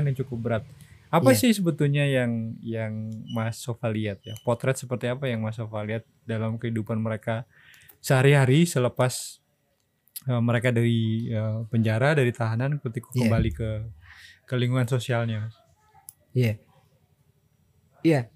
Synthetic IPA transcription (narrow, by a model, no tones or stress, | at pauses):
njaŋt͡ʃukʊp̚bəɾat̪̚apasɪhsəbət̪uhɲajaŋjaŋmasofaliat̪̚japɔt̪ɾɛt̪səpərt̪iapajaŋmasofaliat̪̚dalamkəɦidupanməɾeka | səhaɾiɦaɾisələpas | əmːəɾekadaɾiəpəɲd͡ʒaɾadaɾit̪aɦanankut̪ikukəbalikə | kəliŋɡuŋansosialɲama | ja | ja